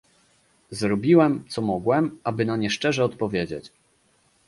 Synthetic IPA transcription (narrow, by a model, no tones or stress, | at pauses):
zɾɔbʲiwɛmt̪sɔmɔɡwɛmabɘnaɲɛʂt͡ʂɛʐɛɔt̪pɔvʲjed͡ʑḛt͡ɕ